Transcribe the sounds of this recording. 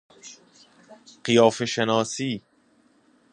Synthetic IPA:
ɢ̥ijɒːfeʃenɒːsiː

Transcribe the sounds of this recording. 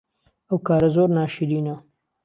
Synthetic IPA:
awkaːɾazoːɾnaːʃiɾina

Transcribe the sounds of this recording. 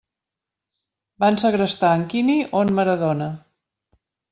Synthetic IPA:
bansəɣɾəst̪aəŋkiniʔonməɾəðonə

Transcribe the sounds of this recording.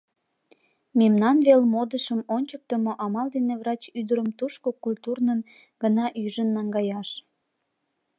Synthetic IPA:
memnɑnβelmod̪əʃəmonʲt͡ɕək̚t̪əmoʔɑmɑld̪eneβrɑt͡ɕyd̪əɾəmt̪uʃkokulʲt̪urnən | ɡ̥ənɑʔyʒənːɑŋɡɑjɑʃ

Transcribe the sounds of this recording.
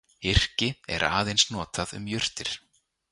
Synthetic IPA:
ɪr̥cɪɛ̰ɾa̰ːðejnsnɔːt̪aðʏ̰mjʏr̥t̪ɪɾ̥

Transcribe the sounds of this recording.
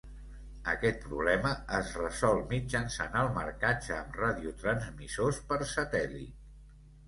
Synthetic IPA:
ə̰kɛt̪̚pɾuβlɛməəzrəzɔlˠmid͡ʒənsanəlˠmə̰ɾkad͡ʒəːmraðiut̪ɾənzmisospəɾsət̪ɛlḭ

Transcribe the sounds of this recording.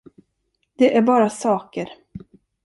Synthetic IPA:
d̪̥ɛʔæɾbɑːɾasɑːkəɾ

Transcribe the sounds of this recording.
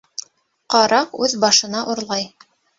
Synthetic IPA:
qɑɾʔɑqʉðbɑʃɤ̆nɑʔuɾlˠɑj

